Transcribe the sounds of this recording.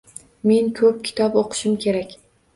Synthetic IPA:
me̞ŋkʰɵp̚kʲʰɪ̥t̪ʰɒpoqʰɨ̥ʃɪmkʲʰe̞ɾakʲ

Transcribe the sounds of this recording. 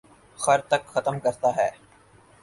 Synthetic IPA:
xɐɾt̪ɐkxɐt̪əmkɐɾt̪aɦɛː

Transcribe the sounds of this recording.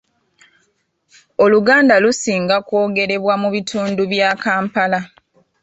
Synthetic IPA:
o̞luɡaːndalusiːŋɡakwo̞ːɡe̞ɾe̞βwamuβitʰuːnduβjaːkaːmpala

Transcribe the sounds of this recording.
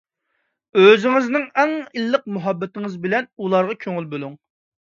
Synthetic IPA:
øzɪŋɪznɪŋɛŋilˠːəq̚muɦɑbːɛt̪ɪŋɨzbɪlɛnulˠɑɾʁɑkʲʰøŋylbølˠuŋ

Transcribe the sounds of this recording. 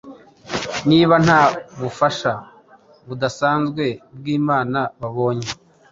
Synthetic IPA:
niːβan̥haːβufaʃa | βudasaːnzɡwe̞bɡiːmaːnaβaβo̞ːɲe

